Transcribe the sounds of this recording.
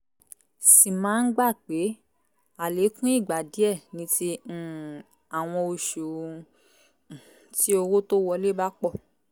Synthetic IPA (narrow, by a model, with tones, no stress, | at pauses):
si˨mãː˨˦n̩˦ɡ͡ba˦˨k͡pe˨˦ | a˨le˨˦kũ˦i˦˨ɡ͡ba˨di˨˦ɛ˦˨nĩ˨˧˦tĩ˧˨ | a˨w̃ɔ̃˧o˧ʃo˨ | ti˦o˧wo˦to˦wɔ˧le˦ba˦k͡pɔ˦˨